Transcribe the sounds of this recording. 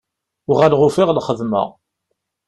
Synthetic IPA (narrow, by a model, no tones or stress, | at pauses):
ʊʁælʁʊfiʁlχəðmə̰